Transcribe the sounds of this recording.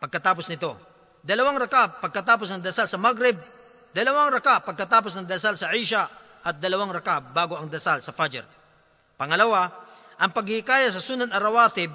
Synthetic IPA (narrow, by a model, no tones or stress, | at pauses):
pɐɡ̚kɐt̪aːp̬osnɪt̪o̞ | d̪ɐlɐwaŋɾɐkapːɐɡ̚kɐt̪aːp̬osnɐŋd̪ɐsalsɐmaɡɾɛb̚ | d̪ɐlɐwaŋɾɐkapɐɡ̚kɐt̪aːp̬osnɐŋd̪ɐsalsɐʔiʃa | ʔɐt̪̚d̪ɐlɐwaŋɾɐkabaːɡoɐŋd̪ɐsalsɐfad͡ʒɛ̰ɾ | pɐŋɐlɐwa | ʔɐŋpɐɡhɪɪkaːjas̬ɐsunɐnɐɾɐwaːt̪ɪb̚